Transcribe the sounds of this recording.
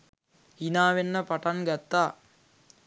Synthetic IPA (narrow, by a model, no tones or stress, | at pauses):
inaːʋenːəpaʈanɡat̪ːaː